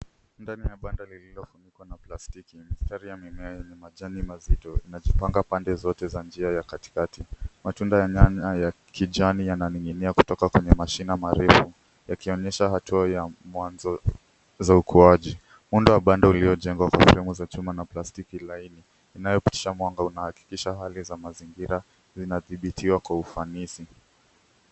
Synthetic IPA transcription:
ndanijaɓandalililɔfunikwanaplastikimistaɾijamimɛajɛɲɛmaʄanimazitɔinaʄipaŋɡapandɛzɔtɛzand͡ʒiajakati̥katimatundajaɲaaja | kʰiʄanijananiŋɡiniaku̥tɔkakwɛɲɛmaʃinamaɾɛfu | jakiɔɲɛʃaɦatuajamwanzɔ | zaukʰuaʄi | mundɔwaɓandauliɔʄɛŋɡwakwasɛ̰ɾɛmuzat͡ʃumanaplastikilainiː | najɔpi̥ti̥ʃamwaŋɡaunahaki̥kiʃaɦalizamaziŋɡiɾa | zinaθiɓitʰiwakwaufanisi

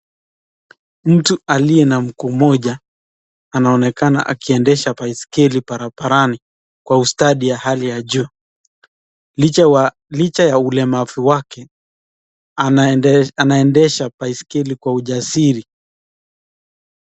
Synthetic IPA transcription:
m̩tualijɛnam̩kumɔʄa | anaɔnɛkana̰ʔa̰kiɛndɛʃapaiskɛlipaɾapaɾani | kwaustaɗijahalijaʄu | lit͡ʃajaulɛmavuwakɛ | a | anaɛndɛʃapaiskɛlikwauʄasiɾi

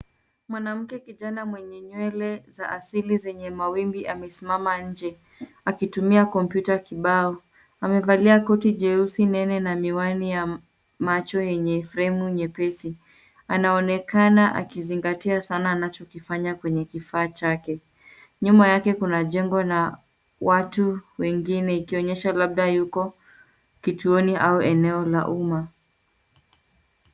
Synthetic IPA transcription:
mwanam̩kɛkiʄanamwɛɲɛɲwɛlɛzaʔasilizɛɲɛmawimbiʔamɛsimamaɲ̩d͡ʒɛ | akitumiakɔmpjutakiɓaɔ | amɛvaliakɔtid͡ʒɛusinɛnɛnamiwanija | mat͡ʃɔjɛɲɛfɾɛmuɲɛpɛsi | anaɔnɛkanaʔa̰kiziŋɡatiasanaːnat͡ʃɔkifaɲakwɛɲɛkifaːt͡ʃakɛ | ɲumajakɛkunaʄɛŋɡɔna | watuwɛŋɡinɛikiɔɲɛʃalaɓ̚ɗajukɔ | kituɔniʔauʔɛnɛɔla̰ʔuma

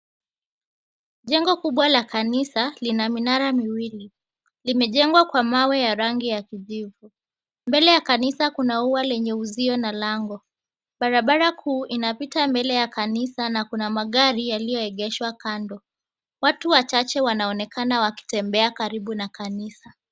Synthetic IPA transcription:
ʄɛŋɡɔkuɓwalakanisalinaminaɾamiwili | limɛʄɛŋɡwakwamawɛjaɾaŋɡijakiʄivu | mbɛlɛjakanisakunauwalɛɲɛuziɔnalaŋɡɔ | ɓaɾaɓaɾakuːʔinapitambɛlɛjakanisanakunamaɠaɾijalijɔɛɠɛʃwakandɔ | watuwat͡ʃat͡ʃɛwanaɔnɛkanawaki̥tɛmbɛakaɾiɓunakanisa

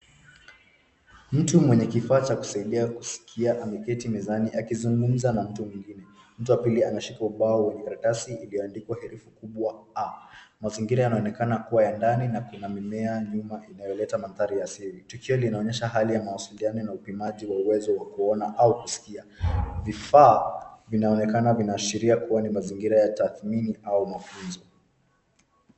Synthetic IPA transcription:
m̩tumwɛɲɛkifaːt͡ʃaku̥saiɗiakusi̥kʰiaʔamɛkɛtimɛzaniʔakizuŋɡum̩zanam̩tumwiŋɡinɛ | m̩tuwapilianaʃikauɓaɔwɛɲɛkaɾakasiːlijɔandikwahɛɾɛfukuɓwaamaziŋɡiɾajanaɔnɛkanakuwajandaninakunamimɛaɲumaʔinajɔlɛtamanðaɾijasiɾitukiɔlinaɔɲɛʃaɦalijamawasilianɔnaupimaʄiwauwɛzɔwakuɔnaʔaukusi̥kiavifaːvinaɔnɛkanavinaːʃiɾiakuwanimaziŋɡiɾajataθminiʔaumafunzɔ

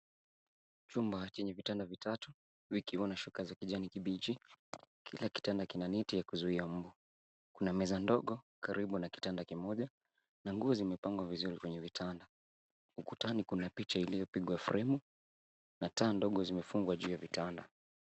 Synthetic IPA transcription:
t͡ʃumbat͡ʃɛɲɛvitandavitatu | vikiwanaʃukazakiʄanikiɓit͡ʃikʰilaki̥tandakinanɛtijakuzuiam̩bu | kunamɛzandɔɠɔkaɾiɓunaki̥tandakimɔʄa | naŋɡuɔzimɛpaŋɡwavizuɾikwɛɲɛvitʰanda | ukutanikunapit͡ʃailijɔpiɠwafuɾʔɛmu | nataːndɔɠɔzimɛfuŋɡwaʄuːjavitanda

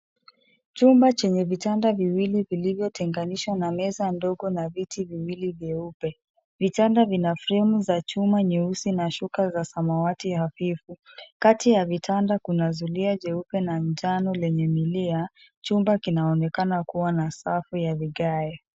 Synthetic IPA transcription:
t͡ʃumbat͡ʃɛɲɛvitandaviwilivilivjɔtʰɛŋɡaniʃwanamɛzandɔɠɔnavitʰiviwilivjɛupɛ | vitandavinafɾɛmuzat͡ʃumaɲɛusinaʃukazasamawatihafifukatijavitʰandakunazuliaʄɛupɛnaɲd͡ʒanɔlɛɲɛmilia | t͡ʃumbakinaɔnɛkanakuwanasafujaviɠaɛ

